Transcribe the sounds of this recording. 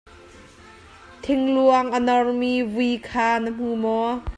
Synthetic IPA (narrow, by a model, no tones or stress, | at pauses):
t̪ʰɪŋluəŋʔənɔrmivuikʰaːnəm̥uːmɔ